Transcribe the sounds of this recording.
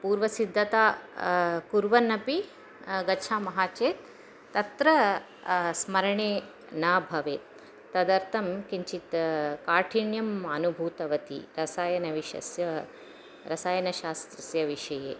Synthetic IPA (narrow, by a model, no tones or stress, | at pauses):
puːɾʋɐsid̪ʱːɐt̪aː | kuɾʋɐnɐpi | ɡɐt͡ʃʰaːmɐɦaːt͡ʃeːt̪ː | ɐt̪ɾɐ | smɐɾɐɳeː | naːbʱɐʋeː | t̪ɐd̪ɐɾt̪ʰɐmkiɲt͡ʃit̪kaːʈʰiɳjɐmanubʱuːt̪ɐʋɐt̪ḭɾɐsaːjɐnɐʋiʃɐ̰sjɐ | ɾɐsaːjɐnɐʃaːst̪ɾɐsjɐʋiʂɐjeː